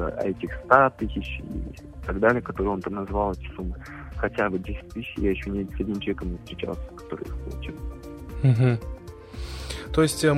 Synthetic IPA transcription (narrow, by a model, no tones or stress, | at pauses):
ə̰ɐ̰ɛtʲɪxst̪at̪ɨsʲɪt͡ɕḭ | t̪ɐɡd̪alʲɪəkɐt̪o̞ɾɨjo̞nt̪amnɐzvalˠɛtʲɪ̥xsumːɨ | xɐtʲabɨdʲesʲɪ̥tʲt̪ɨɕːɪ̰jajɪɕːonʲesʲɐdʲnʲɪmt͡ɕˠvʲekəmnʲɪfst̪ɾʲɪt͡ɕa̰lˠsʲə̥kɐ̥t̪o̞ɾɨ̰jixpo̰lˠt͡ɕɪ | m̩ɦm̩ | t̪o̞jɪsʲtʲə